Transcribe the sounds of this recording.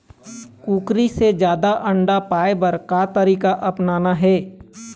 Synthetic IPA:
kuːkɾised͡ʒjaːd̪aʔɐ̃ɳɖapaːebəɾkat̪əɾiːkaʔɐpnaːnaɦɛː

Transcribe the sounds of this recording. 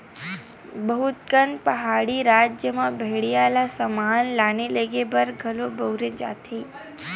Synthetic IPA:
bəɦut̪kəɳpəɦaɽiɾad͡ʒjəmãbʱeɽijalasəmanlanileɡebəɾɡʱəlobəwɾed͡ʒa̰t̪ʰe

